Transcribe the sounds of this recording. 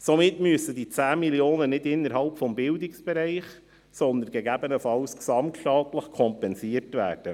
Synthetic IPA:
sɔmɪtmyəsədit͡sæːmiljoːnənɪdɪnːəɾhɑlpfɔmbɪldɪksb̥ɛɾɛɪχ | sɔnd̪ənɡɛɡæbənəfɑlsksɑmtʃtɑːtləχkʰɔmpɛnsiərtʋæ̰ːrd̥ə

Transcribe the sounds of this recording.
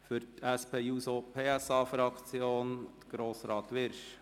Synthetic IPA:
fʏɾtʰæspʰeːjuːsopʰeːɛsɑːfɾɑkt͡sjoːnt̪ɡ̥ɾoːsɾɑːt̪ʋɪɾʃ

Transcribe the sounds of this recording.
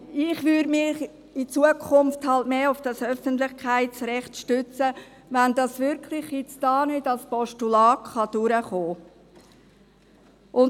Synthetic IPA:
ɪχʋʏɾmɪχ | it͡suəkʰʊmfthɑltmeːʊfd̥ɑsœfəntlɪχkχæɪtt͡srɛχtʃtʏt͡sə | ʋændɑsʋɪɾkʰlɪχjɪt͡sd̥ɑːnʏdɑlspɔʃtulɑːkχɑd̥ʊɾəχoː | ʔʊn

